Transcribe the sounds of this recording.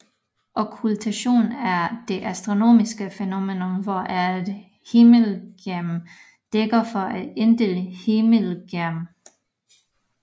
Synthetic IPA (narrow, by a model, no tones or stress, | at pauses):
ʔɒkʰylt͡sʰæɕo̝̰ːnæɐd̥e̝ʔæsd̥ʁo̝no̝̰ːmisɡ̥əfeno̝menɔmʋɒʔæd̥ | heməlɡ̥æɐm | d̥eɡ̥ɐfɒʔæd̥e̝nd̥e̝ləhe̝məlɡ̥æɐm